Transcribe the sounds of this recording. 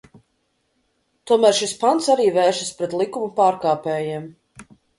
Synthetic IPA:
t̪uɔmæːɾʃispant̪saɾiːvɛːʃɐspɾɛt̪lˠikumupaːɾkaːpɛːjiɛm

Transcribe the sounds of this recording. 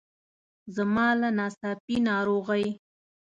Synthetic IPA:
zamɑlanɑsɑpinɑɾoɣaj

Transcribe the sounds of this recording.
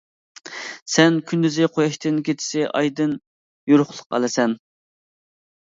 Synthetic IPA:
sɛnkʲʰynd̪yzɪqʰojɑʃt̪ʰɨnkʲʰet̪ʰɪ̥sɪʔɑ̰jd̪ɨn | juɾʊχlˠə̥qɑ̰lˠɨsɛn

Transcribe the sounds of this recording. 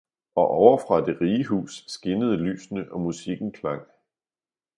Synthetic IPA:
ɒ̽ʔɒʊɐfʁɑ̈d̥e̝ʁiːəɦṵːsːɡ̥e̝nəð̞̩ˠəly̰ːsnəʔɒ̽musiɡ̥n̩kʰlɑ̈ŋ̰

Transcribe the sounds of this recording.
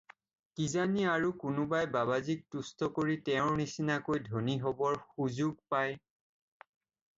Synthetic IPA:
kizaniaɹukʊnʊbajbabazik̚tustɔkoɹitɛʊ̃ɹnisinakojdʱoniɦɔbɔɹxuzuɡ̚paj

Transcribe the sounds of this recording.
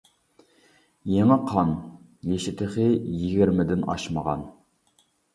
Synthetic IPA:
jeŋɨqʰɑn | jeʃɪt̪ʰɪχɪjiɡʲɪɾmɪd̪ɪnɑ̰ʃməʁɑ̰n

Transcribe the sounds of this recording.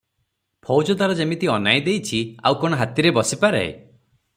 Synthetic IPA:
pʰɔwd͡ʒɔd̪aɾɔd͡ʒemit̪iɔnajd̪ejt͡ʃʰia̰wkɔɽ̃ɔɦat̪iɾebɔsipaɾḛ

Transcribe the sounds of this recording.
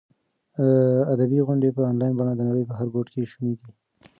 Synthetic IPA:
ad̪abiɣʊɳɖepəɑnlɑjnbɑnad̪ənaɽəjpəɦaɾɡoʈkeʃumed̪i

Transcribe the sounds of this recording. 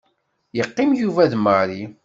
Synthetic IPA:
jəqːɪmjuvæðməɾi

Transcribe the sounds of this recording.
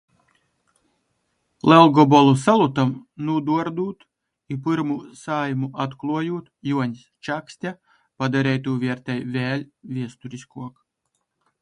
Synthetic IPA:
lˠɛlˠɡɔbɔlˠusalˠut̪amnud̪uɔɾd̪uːt̪ | ipɨɾmusaːjmuʔat̪klˠuɔjuːt̪juɔɲʲst͡ʃaksʲt̪ʲa | pad̪aɾɛjt̪uːvʲiɛɾt̪ɛjvʲɛːlʲvʲiɛst̪uɾiskuɔk

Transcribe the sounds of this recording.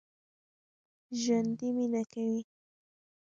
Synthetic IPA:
ʒand̪ɪmɪnakaj

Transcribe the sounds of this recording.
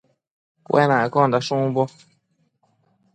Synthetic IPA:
pwʔɛ̰naɛkɔ̃dasũŋbɔ

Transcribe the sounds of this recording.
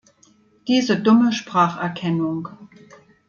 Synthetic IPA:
d̥iːzədʊməʃpʁ̥aːχʔɛɐkʰɛnʊŋ

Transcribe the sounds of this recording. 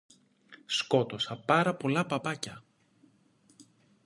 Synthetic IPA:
sko̞t̪o̞sɐpɐɾɐpo̞lɐpɐpɐcɐ

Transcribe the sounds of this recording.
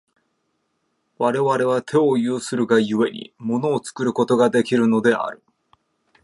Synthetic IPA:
βaɾe̞βaɾe̞β̞at̪ʰe̞o̞jɯːsɨɾɯ̟ɡajɯ̟e̞ɲ̟ḭmo̞no̞ːt͡sɨ̥kɯ̟ɾɯ̟ko̞t̪o̞ɡad̪e̞kʲiɾɯ̟no̞d̪e̞a̰ɾɯ̟

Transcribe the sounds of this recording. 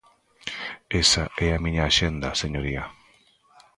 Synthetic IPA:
esaʔeamĩɲaːʃend̪aseɲoɾia

